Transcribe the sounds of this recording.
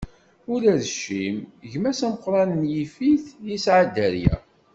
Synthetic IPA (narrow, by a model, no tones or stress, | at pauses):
ʊɾæðʃːimʝmæsæməqːɾˤɑnənjifiθjisʕad̪æɾjæ̰